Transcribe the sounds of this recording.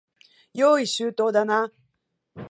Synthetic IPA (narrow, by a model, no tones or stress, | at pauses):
joːisut̪od̪ana